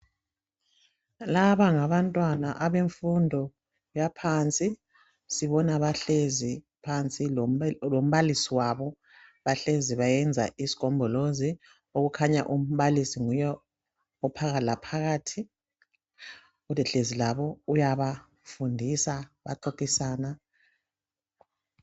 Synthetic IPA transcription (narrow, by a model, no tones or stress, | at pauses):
laβaŋaβantʼwanaʔaβeɱfundʱɔ | japʰant͡sʼi | siβɔnaβaɬezi | pʰant͡sʼilom̩βalisiwaβɔ | βaɬeziβajɛnd͡zʱa̰ʔisi̥kʰʼɔmbʱɔlozi | oɣukʰaɲa̰ʔum̩βalisiŋujɔ | ɔpʰaɣalapʰaɣaːtʰi | ulɛɬezilaβɔujaβa | fundʱisaβa̰ǃokʼisaːna